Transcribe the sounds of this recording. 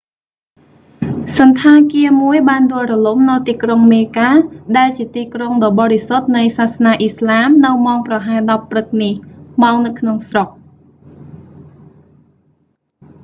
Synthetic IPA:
sɑnt̪ʰaːkiəmuəjɓaːnɗʊəlrɔlumnɨwt̪iːkroŋmeːkaːɗaɛlt͡ɕiət̪iːkroŋɗɑːɓɑːɾisot̪̚nɨjsaːsnaːʔislaːmnɨwmaɔŋprɑɦaɛɗɑpːrɨt̪̚nihmaɔŋnɨwkʰnoŋsrok̚

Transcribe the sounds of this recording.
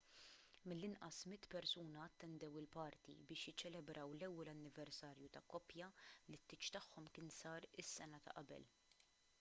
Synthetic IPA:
mɪlːɪnʔɐ̰smɪt̪ːpɛɾsuːnɐːt̪ːɛnd̪ɛwɪlpɐɾt̪ḭbɪːʃjɪt͡ʃːɛlɛbɾɐwlɛwːɛlɐnːɪvɛɾsɐːɾjut̪ɐkːɔpjɐlɪt̪ːɪt͡ʃt̪ɐħːɔmkɪːnsɐːɾɪsːɛnɐt̪ɐ̰ʔɐbɛ̰l

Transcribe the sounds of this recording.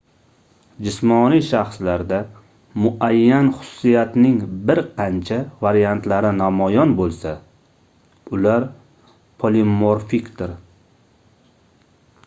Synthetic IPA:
d͡ʒɪsmɒnijʃaχslaɾd̪a | mʊʔajːanχʊ̥sʊ̥ːijat̪nɪŋbɪɾqʰɑnt͡ʃʰavaɾijant̪laɾɪnamɒjɒnbolˠsa | ʊlaɾ | pʰolimoɾfikd̪ɪɾ

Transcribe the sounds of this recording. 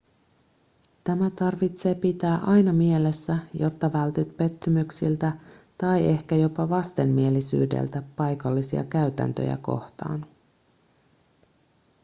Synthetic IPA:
t̪æmæt̪ɑrʋit̪se̞ːpit̪æːʔɑjnɑmie̞lesːæjo̞t̪ːɑʋælt̪yt̪pe̞t̪ːymyksilt̪æt̪ɑje̞hkæjo̞pɑʋɑst̪e̞mːie̞lːisy̰ːde̞̰lt̪æpɑjkɑlːisiɑ̰kæyt̪æ̰nt̪ø̰jæ̰ko̞̰ht̪ɑ̰ːn

